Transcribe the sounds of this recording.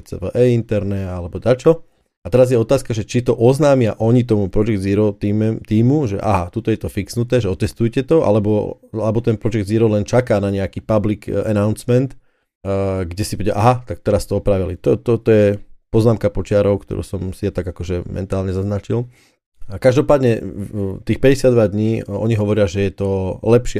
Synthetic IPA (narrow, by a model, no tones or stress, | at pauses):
ɛt͡sɛ̰ʋə̰ʔɛint̪ɛɾnɛalɛbɔt̪at͡ʃɔ | at̪ɛɾazjɛɔt̪aːskaʒɛt͡ʃit̪ɔʔɔznaːmɪaʔɔɲit̪ɔmupɾɔd͡ʒɛɡd̪ziɾɔt̪iːmt̪iːmuʒɛ̰ʔa̰ɦat̪ut̪ɔjɛt̪ɔfiksnut̪ɛːʒɛɔt̪ɛst̪ujcɛt̪ɔʔa̰lɛbɔ | alɛbɔt̪ɛnpɾɔd͡ʒɛɡ̚d̪ziɾɔlɛnt͡ʃakaːnaɲɛakiːpablikɛ̰naʊnsmɛnt̪ | ɡɟɛsibɔɟɛa̰ʔaɦat̪ak̚t̪ɛɾast̪ɔɔpɾaʋilit̪ɔt̪ɔt̪ɔjɛpɔznaːmkapɔt͡ʃɪaɾɔʊkt̪ɔ̰ɾṵːsɔmsijat̪aɡakɔʒɛmʔɛ̰nt̪aːlɲɛzaznat͡ʃil | kaʒd̪ɔpaːd̪ɲɛt̪iːxpɛɟɛsɪad̪ʋad̪ɲiːɔɲiɦɔʋɔɾɪaʒɛjɛt̪ɔlɛpʃɪɛ